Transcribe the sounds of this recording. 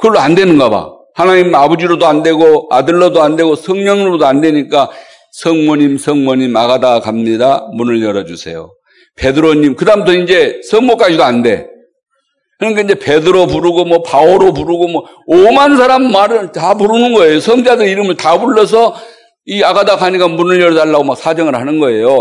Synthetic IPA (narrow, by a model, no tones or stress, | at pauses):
kɯʌɭːoande̞nɯnɡʌba̰ | hanaɲimabod͡ʑiɾodoande̞ɡoa̰dɯɭːʌdoande̞ɡosʰʌŋɲʌŋodoande̞ɲik͈a | sʰʌŋmʌɲimsʰʌŋmʌɲimaɡadakamɲidamunɯɭjʌɾʌd͡ʑusʰe̞̰jo̰ | pe̞dɯɾoɲimkɯdamputʰʌind͡ʑe̞sʰʌŋmok͈ad͡ʑidoande̞ | kɯʌnikaind͡ʑe̞pe̞dɯɾopuɾɯɡomwʌpaoɾopuɾɯɡomʌ | omansʰaɾamːaɾɯɭtapuɾɯnɯnɡʌe̞josʰʌŋd͡ʑadɯɾiɾɯmɯɭtabuɭːʌs̬ʰʌ | iaɡadakaɲik͈amunɯɭjʌɾʌdaɭːaɡomak̚sʰad͡ʑʌŋɯɭhanɯnɡʌe̞jo